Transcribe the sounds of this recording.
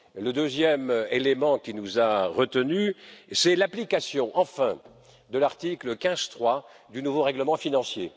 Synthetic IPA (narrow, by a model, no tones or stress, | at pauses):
ləd̪øzjɛmelemɑ̃kʲinuzaʁət̪ənysɛlaplikasjɔ̃ʔɑ̃fɛ̃ | d̪əlaʁt̪ikləkʲɛ̃z̥t̪χwa | d̪ynuvoʁɛɡləmɑ̃finɑ̃sje